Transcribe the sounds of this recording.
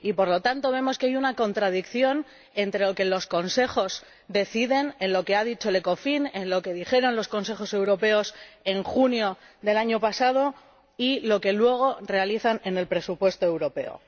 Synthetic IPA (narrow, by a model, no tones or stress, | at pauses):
ipo̞ɾlo̞t̪ant̪o̞β̞e̞mo̞skeajunako̞nt̪ɾað̞ikθjo̞n | e̞nt̪ɾe̞loke̞lo̞sko̞nse̞xo̞z | d̪e̞θiðe̞nenlo̞ke̞aðit͡ʃo̞ele̞ko̞finenlo̞ke̞ðixe̞ɾo̞nlo̞sko̞ns̬e̞xo̞se̞wɾo̞pe̞o̞se̞ŋxunjo̞ | ðe̞laɲo̞pasað̞o̞ | ilo̞ke̞lwe̞ɣ̞o̞re̞aliθane̞ne̞lpɾe̞supwe̞st̪oe̞wɾo̞pe̞̰o̞̰